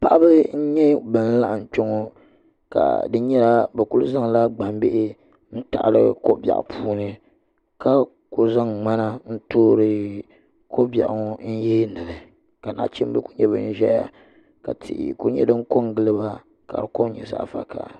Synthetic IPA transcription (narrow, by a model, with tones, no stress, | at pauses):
pa˦ʔa˦bɨ˦n̩˦ɲɛ˦bɨ˨n̩˦la˦ʔa˨m˨k͡po˦ŋo˦ | ka̰˨dɨ˦ɲɛ˦la˦bɛ˨ku˦lza˦ŋ˨la˦ɡ͡ba˨m˦be˦ʔɪ˦ | n̩˦ta̰˨ʔlɨ˦ko˦bja̰˨ʔpʰuː˦nɨ˦ | ka˦ | ko˦za˦ŋŋ͡ma˦na˦n̩˦toː˦ɾɨ˦ | ko˦ba̰˨ʔŋ˦n̩˦jeː˦nɨ˨ɾɨ˨ | ka˨na̰˦t͡ʃi˦m˦bɨ˦ku̥˦ɲɛ˦βɨ˦n̩˦ʒɛ˦a̰˨ | ka̰˨tʰḭ˨ʔku˦ɲɛ̰˦dɨ˦ŋ˦ko˦ŋɡɨ˦lɨ˦ba˦ | ka˨ɾɨ˨ko˦ɲɛ̰˨za̰˦ʔfa̰˦ka̰˨